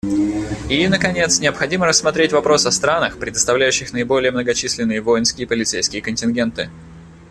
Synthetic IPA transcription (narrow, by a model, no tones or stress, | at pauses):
inəkɐnʲe̞t̪snʲɪəpxɐdʲiməɾəsmɐt̪ɾʲetʲvɐpɾo̞sɐst̪ɾanəxpɾʲɪd̪əst̪ɐvlʲæjʉɕːɪxnəɪbo̞lʲɪjəmnəɡɐt͡ɕisʲlʲɪnːɨjəvo̞jɪnskʲɪjəpəlʲɪt̪sejskʲɪjəkənʲtʲɪnɡʲe̞nt̪ɨ